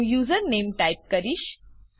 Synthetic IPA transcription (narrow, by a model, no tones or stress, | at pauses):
juːzəɾnemʈajp̚kəɾiːʃ